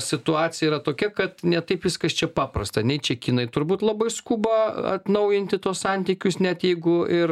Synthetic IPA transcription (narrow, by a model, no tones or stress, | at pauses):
sʲɪt̪ʊɑːt͡sʲsʲɪjɛiɾɐt̪oːkʲɛkɐt̪nʲɛt̪ɐɪpʋʲɪskɐst͡ʃʲɛpɑːprɐst̪ɐnʲɛɪt͡ʃʲɛkʲiːnɐɪt̪ʊɾbuːt̪lˠɐbɐɪskuːbɐɐ̰t̪nɐʊjɪnʲt̪ʲɪt̪uːssɑnʲt̪ʲiːkʲʊsnʲɛt̪jɛɪɡʊɪr